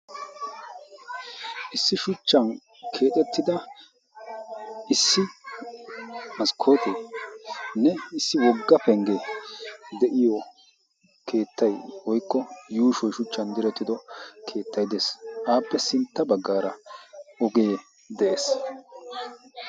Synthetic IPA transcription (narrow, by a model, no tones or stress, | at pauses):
ʔɪsːɪʃʊt͡ʃːɐn | kʰe̞ːt̪ʼɛt̪ːɪd̪ɐ | ʔɪsːɪ | mɐskʰoːt̪e | nɛɪsːɪwɔɡːɐpɛŋɡɛ | d̪ɛʔɪjɔ | kʰe̞ːt̪ːɐjwɔjkːɔjuːʃɔjʃʊt͡ʃːɐnd̪ɪɾɛt̪ːɪd̪ɔkʰe̞ːt̪ʰːɐjd̪esʔaːpːɛsɪnt̪ːɐbɐɡːaːɾɐɔɡeː | d̪ɛʔeːs